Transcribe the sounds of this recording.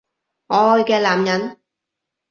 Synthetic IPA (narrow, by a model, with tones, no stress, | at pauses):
ŋɔː˨˧jkɛː˧laː˨mjɐ˨˥n